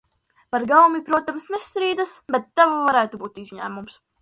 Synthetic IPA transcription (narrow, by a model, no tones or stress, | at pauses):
paɾɡawumipɾuɔt̪amsnest̪ɾiːd̪asbet̪ːavavaɾæːt̪ubuːt̪izʲɲæːmums